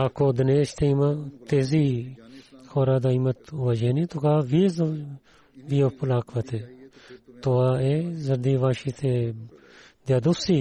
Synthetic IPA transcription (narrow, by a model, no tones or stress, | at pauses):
aːkoːd̪ɐneːʃt̪ʰeimat̪eːziː | xʰoːɾaːd̪aːimət̪ʊʋaːd͡ʒeːnĩt̪okaːʋiːz | ʋiːopʊlaːkʰʋɐt̪ʰeː | t̪oaːeːzɐɾd̪iːʋaːʃiːt̪ʰeː | d̪jaːd̪ʊfsiː